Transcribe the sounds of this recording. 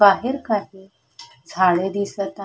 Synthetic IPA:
aɦeɾkaɦi | d͡zʱaɭed̪isət̪

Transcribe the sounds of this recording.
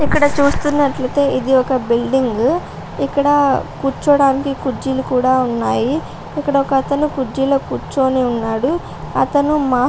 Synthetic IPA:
ikːɐɽɐt͡ʃuːst̪unːɐʈlɐt̪e̞ːid̪iɔkɐbilɖiŋɡ | ikːɐɽɐkuːɾt͡ʃːɐʋɽaːnikikud͡ʒilukuːɽaːunːaːji | ikːɐɽɐɔkɐːt̪ɐnukud͡ʒiloːkuːɾt͡ʃːoːniunːaːɽu | ɐt̪ɐnumaː

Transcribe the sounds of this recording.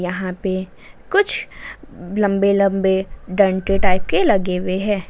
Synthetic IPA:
jɐɦãpe | kʊt͡ʃʰ | lɐ̃mbelɐ̃mbeɖə̃ːɳʈiʈaːɪp̚kelɐɡeweɦɛ̃ː

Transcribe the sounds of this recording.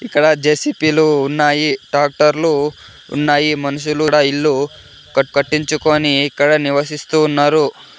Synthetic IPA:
ikːɐɽɐd͡ʒeːsipiluːnːaːjiɖaːk̚ʈɐɾlṵː | nːaːjimɐnuʃuluɽɐilːu | kɐkɐʈːiɲt͡ʃukoːniːkːɐɽɐniʋɐsist̪uːnːaːɾu

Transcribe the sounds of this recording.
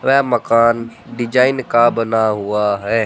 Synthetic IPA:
ʋɛmɐkaːnɖɪd͡ʒaːɪnkabɐnaɦʊaɦɛː

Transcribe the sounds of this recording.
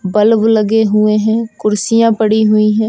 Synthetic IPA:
bɐlblɐɡeɦʊeɦɛ̃ːkʊɾsɪjãpɐɽiɦʊiɦɛ̃ː

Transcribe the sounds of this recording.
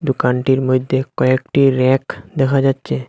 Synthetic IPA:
d̪ukanʈiɾmod̪ʱːjekɔekʈiɾɛkd̪ɛkʰad͡ʒat̪ːʃʰe

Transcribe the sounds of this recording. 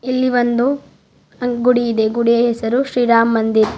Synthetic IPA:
ilːiʋɐnd̪u | ɐɡuɽijid̪eɡuɽijɐɦɛsɐɾuʃɾiːɾaːmːɐnd̪iɾ

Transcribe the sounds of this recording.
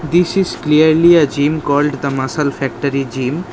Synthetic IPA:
d̪isizkliəɾliɐd͡ʒĩmkɔlɖd̪əmasalfɛk̚ʈəɾid͡ʒĩm

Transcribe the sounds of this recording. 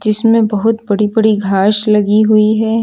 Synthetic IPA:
d͡ʒɪsmẽbɐɦʊt̪bɐɽibɐɽiɡʱaːʃlɐɡiɦʊiɦɛː

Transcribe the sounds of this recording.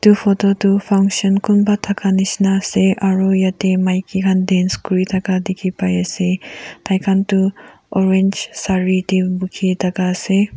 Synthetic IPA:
tupʰɔtotupʰaŋksɔnkunbatʰakʰanisnaseʔaɾujatemajkʰikʰandenskuɾitʰakadikʰipajasetʰajkʰantu | ɔɾend͡ʒsaɾitibukʰitakase

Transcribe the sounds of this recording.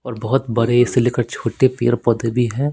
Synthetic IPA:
ɔːɾbɐɦʊt̪bɐɾeɪsːeleːkəɾt͡ʃʰoːʈepḛːɾpɔd̪ebʱiɦɛ̃ː

